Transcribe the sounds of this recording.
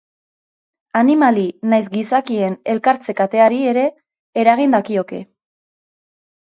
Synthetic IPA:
animalinajs̬ɡisakie̞ne̞lkaɾt͡se̞kat̪e̞aɾie̞ɾe̞ː | ɾaɣ̞ind̪akio̞ke̞

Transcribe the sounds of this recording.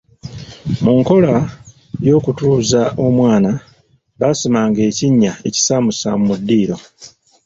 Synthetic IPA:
muŋko̞la | jo̞ːkutuːzaʔo̞mwaːna | βasimaːŋɡe̞ːciɲːae̞ci̥saːmusa̰mumudːiːɾo̞

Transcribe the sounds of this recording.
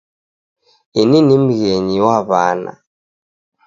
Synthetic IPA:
ininim̩ɣɛɲiwaβa̰ːna̰

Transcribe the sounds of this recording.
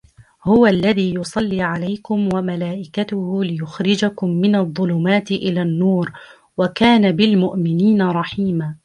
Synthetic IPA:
hʊwalːaðiːjʊsˤɑlːiːʕalajkʊmwamalaːʔɪkat̪ʊhʊlɪjʊxɾɪd͡ʒakʊmːɪnɑðˤːʊlʊmaːt̪ɪʔɪlaːnːuːɾ | wakaːnabɪlmʊʔmɪniːnaɾˤɑħiːmaː

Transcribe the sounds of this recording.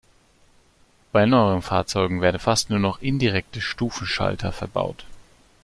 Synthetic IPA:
b̥aɪnɔʏəʁənfaːɐt͡sɔʏɡŋ̩veːɐdn̩fastnuːɐnɔχʔɪndiʁɛk̚təʃtuːfn̩ʃa̰ltʰɐfɛɐba̰ʊt

